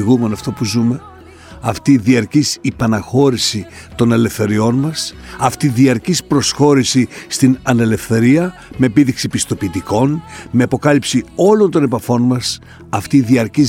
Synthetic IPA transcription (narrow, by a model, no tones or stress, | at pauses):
ɣume̞nɐft̪o̞puzume̞ | ɐft̪iðiɐɾcisipɐnɐxo̞ɾisi | t̪o̞ne̞le̞fθe̞ɾio̞nmɐs | ɐft̪iðiɐɾcispɾo̞sxo̞ɾisist̪inɐne̞le̞fθe̞ɾiɐ | me̞ːpiðiksipist̪o̞piːt̪iko̞nme̞ɐpo̞kɐlipsio̞lo̞nt̪o̞ne̞pɐfo̞nmɐs | ɐft̪iðiɐɾciz